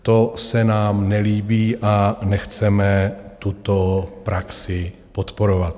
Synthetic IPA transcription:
t̪o̞sɛnaːmnɛliːbiːʔanɛxt͡sɛmɛt̪ut̪opɾaksɪ | po̞t̪po̞ɾovat̪

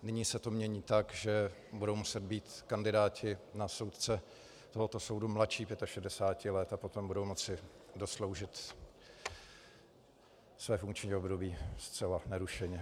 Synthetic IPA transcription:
nɪɲiːsɛt̪o̞mɲɛɲiːt̪akʒɛ | budowmusɛd̪̚biːt̪kandɪdaːcʰɪnaso̞wt̪t͡sɛ | t̪oɦot̪o̞so̞wdumlatʃiːpjɛt̪aʃɛdɛsaːcɪlɛt̪apo̞t̪o̞mbudo̞wmo̞t͡sɪdo̞slo̞wʒɪt̪ | svɛːfuŋkt͡ʃɲiːobdo̞biːst͡sɛlanɛɾuʃɛɲɛ

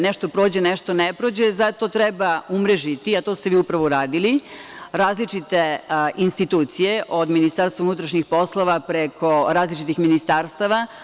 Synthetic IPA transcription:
neʃt̪o̞pɾo̞ːd͡ʑeneʃt̪onepɾo̞d͡ʑezat̪o̞t̪ɾebaumɾe̞ʒit̪iat̪o̞ːst̪eʋiːupɾaʋoɾaːd̪iliɾaːzlit͡ʃit̪eʔinst̪it̪uːt̪sije̞ʔo̞d̪minist̪aːɾst̪ʋaunut̪ɾaʃɲixpo̞slˠo̞ʋapɾekʰo̞ɾaːzlit͡ʃit̪ixminist̪aːɾst̪aʋa

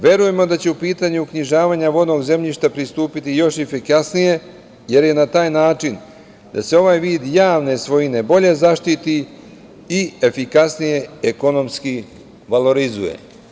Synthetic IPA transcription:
ʋje̞ɾuje̞mo̞d̪at͡ɕe̞upiːt̪aːɲukɲiʒaːʋaːɲaʋo̞d̪no̞ɡze̞mʎiʃt̪apɾist̪uːpit̪ijo̞ʃefikasnije̞ | je̞ɾje̞nat̪aːjnaːt͡ʃin | d̪a̰se̞o̞ʋaːjʋiːd̪jaːʋne̞sʋo̞jine̞bo̞ʎe̞zaʃt̪it̪i | iefikasnije̞eko̞no̞mski | ʋalo̞ɾizujḛ

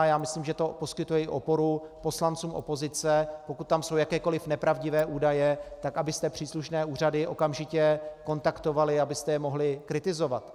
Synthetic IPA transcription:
jaːmɪsliːmʒɛt̪o̞po̞skɪt̪ujɛɪʔo̞po̞ɾupo̞slant͡suːmʔo̰po̞zɪt͡sɛpo̞kut̪ːamso̞wjakɛːko̞lɪfnɛpɾavɟɪvɛːʔuːdajɛt̪akabɪst̪ɛpr̥iːsluʃnɛːuːradɪʔo̞̰kamʒɪcɛko̞nt̪akt̪o̞valɪabɪst̪ɛjɛmo̞ɦlɪkɾɪt̪ɪzo̞vat̪

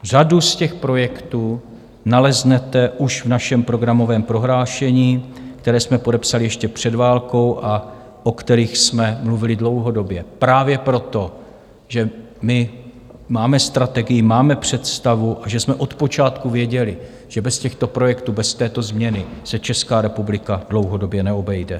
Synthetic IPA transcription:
r̝aduscɛxpɾo̞jɛkt̪uː | nalɛznɛt̪ɛʔuʃvnaʃɛmpɾo̞ɡɾamo̞vɛːmpɾo̞ɦlaːʃɛɲiːkt̪ɛɾɛːsmɛpo̞dɛpsalɪjɛʃcɛpr̝̥ɛdvaːlko̞wʔa | ʔo̞kt̪ɛɾiːxsmɛmluvɪlɪdlo̞wɦo̞do̞bjɛpɾaːvjɛpɾo̞t̪o̞ | ʒɛ | mɪ | maːmɛst̪ɾat̪ɛɡɪjɪmaːmɛpr̝̥ɛt̪st̪avuʔaʒɛsmɛʔo̞t̪po̞t͡ʃaːt̪kuvjɛɟɛlɪ | ʒ̥ɛbɛscɛxt̪o̞pɾo̞jɛkt̪uːbɛst̪ɛːt̪o̞zmɲɛnɪsɛt͡ʃɛskaːɾɛpublɪkad̥lo̞wɦo̞do̞bjɛnɛo̞bɛjdɛ

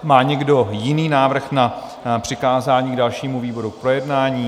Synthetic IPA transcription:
maːɲɛɡdo̞jɪniːnaːvr̩xna | pr̝̥ɪkaːzaːɲiːɡdalʃiːmuviːbo̞ɾuk̚pɾo̞jɛdnaːɲiː

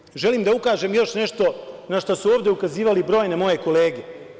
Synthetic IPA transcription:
ʒe̞liːmd̪aukaːʒemjo̞ʃne̞ʃt̪o̞naʃt̪osuoːʋd̪e̞ukaziːʋalibɾo̞ːjne̞mo̞je̞ko̞le̞ːɡe

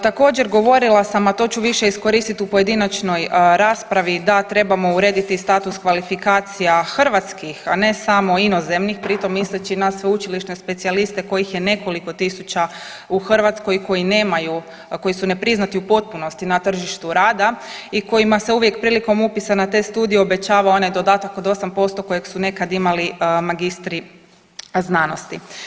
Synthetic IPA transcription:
t̪ako̞ːd͡ʑe̞ɾɡo̞ʋo̞ɾilˠasamat̪o̞t͡ɕuʋiʃe̞isko̞ɾiːst̪it̪upoje̞d̪inat͡ʃno̞jɾaːspɾaʋid̪at̪ɾe̞bamo̞uɾe̞ːd̪it̪ist̪aːt̪uskʋalifikaːt̪sijaxr̩ʋat̪skixane̞samo̞ino̞ze̞mnixpɾit̪o̞mːislet͡ɕinasʋeut͡ʃiliʃne̞spe̞t̪sialist̪e̞ko̞jixje̞ne̞ko̞liko̞t̪isut͡ɕa | uxr̩ʋat̪sko̞jko̞jine̞ːmaju | ko̞jisune̞pɾiznat̪iupo̞t̪̚puno̞st̪inat̪r̩ʒiʃt̪uɾaːd̪aiko̞jimase̞uʋje̞kpɾiːliko̞mupisanat̪e̞ːst̪uːd̪ijeo̞be̞t͡ɕaːʋaonad̪o̞d̪at̪akod̪o̞sampo̞st̪o̞ko̞jeɡsune̞kad̪imalimaɡist̪ɾi | znano̞st̪i

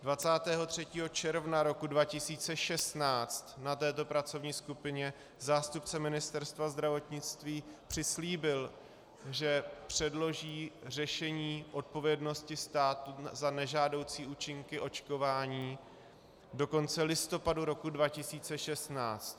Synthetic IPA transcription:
dvat͡saːt̪ɛːɦo̞t̪r̝̥ɛciːɦo̞t͡ʃɛɾvnaɾo̞kudvacɪsiːt͡sɛʃɛst̪naːt͡st̪nat̪ɛːt̪o̞pɾat͡so̞vɲiːskupɪɲɛ | zaːst̪upt͡sɛmɪnɪst̪ɛɾst̪vazd̪ɾavo̞t̪ɲɪt͡st̪viːpr̝̥ɪsliːbɪl | ʒɛpr̝̥ɛdlo̞ʒiːr̝ɛʃɛɲiːʔo̞t̪̚po̞vjɛdno̞scɪst̪aːt̪uzanɛʒaːdo̞wt͡siːʔuːt͡ʃɪŋkɪʔo̞t͡ʃko̞vaːɲiː | do̞ko̞nt͡sɛlɪst̪o̞paduɾo̞kudvacɪsiːt͡sɛʃɛst̪naːt͡st̪

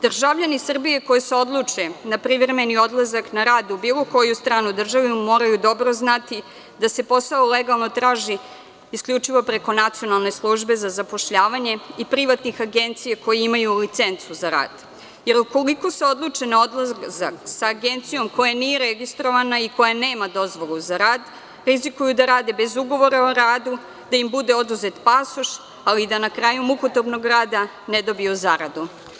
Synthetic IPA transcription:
d̪r̩ʒaʋʎanisr̩bije̞ko̞jeseo̞d̪lˠut͡ʂenapɾivɾeme̞nio̞d̪lˠazaknaɾaːd̪ubiːlˠo̞ko̞just̪ɾaːnud̪r̩ʒaʋimo̞ɾajud̪o̞bɾo̞znat̪i | d̪ase̞po̞saoleɡalˠno̞t̪ɾaːʒiː | skʎut͡ʂiʋo̞pɾe̞ko̞nat̪sio̞nalˠne̞slˠuʒbe̞zazapo̞ʃʎaːʋaɲe̞ipɾiʋat̪nixaɡent̪sijako̞jeimajulit̪se̞nt̪suzaɾa̰ːd̪̥ | je̞ɾuko̞liko̞seo̞d̪lˠut͡ʂenaod̪lˠazaksaːɡent̪sijo̞mko̞janijeɾeɡist̪ɾo̞ʋanaiko̞janeːmad̪o̞zʋo̞lˠuzaɾaːd̪ | ɾizikujud̪aɾaːd̪e̞be̞zuɡo̞ʋo̞ɾaoɾaːd̪u | d̪̥aimbud̪e̞o̞d̪uzet̪pasoʃ | alid̪anakɾajumukut̪obno̞ɡɾaːd̪a | ned̪o̞biozaɾad̪u

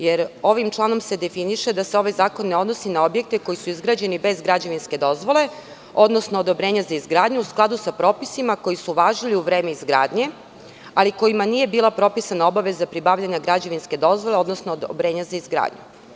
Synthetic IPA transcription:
jeɾo̞ʋimt͡ʃlˠano̞mse̞d̪e̞finiʃed̪aseo̞ʋajzaːko̞nːe̞o̞d̪nosinao̞bje̞k̚t̪e̞ko̞jisuizɡɾaːd͡ʑe̞nibe̞zɡɾad͡ʑaʋinske̞d̪o̞zʋo̞le̞ | o̞d̪no̞sno̞ːd̪o̞bɾeːɲazaizɡɾaːd̪ɲuusklˠad̪usapɾo̞ːpisimako̞jisuʋaːʒiliuʋɾe̞ːmeizɡɾa̰ːd̪ɲe̞ | aliko̞jimanije̞biːlˠapɾo̞pisanao̞baʋe̞zapɾibaːʋlʎaɲaɡɾad͡ʑaʋinske̞d̪o̞zʋo̞lˠeo̞d̪nosnoobɾe̞ːɲazaizɡɾa̰ːd̪ɲṵ

